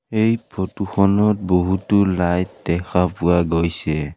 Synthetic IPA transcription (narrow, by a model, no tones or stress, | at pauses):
ejpʰɔtuxɔnɔt̚boɦutʊlajdɛxʰapʊaɡojsɛ